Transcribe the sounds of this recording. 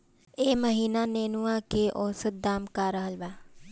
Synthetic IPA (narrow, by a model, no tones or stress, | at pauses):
eːməɦiːnaneːnuãkeʔɔːsət̪̚d̪aːmkaɾəɦəlbaː